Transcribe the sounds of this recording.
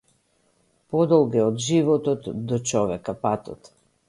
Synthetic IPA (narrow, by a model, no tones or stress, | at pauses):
pɔd̪ɔlˠɡɛɔd̪ʒivɔt̪ɔt̪d̪ɔt͡ʃɔvɛkapat̪ɔ̰t̪